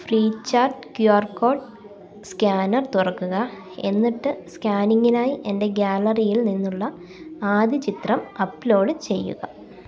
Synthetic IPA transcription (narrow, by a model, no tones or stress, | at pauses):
friːt͡ɕːaːrʈkjuarko̞ːʈ | skaːnɐrt̪urɐkːuɣɐ | e̞̰nːiʈːɨskaːniŋːinaːjiʔe̞nde̞ɡaːlɐrijilninːuɭːɐ | aːd̪ʱit͡ɕit̪rɐmɐpːlo̞ːɽɨt͡ɕe̞jːṵɣɐ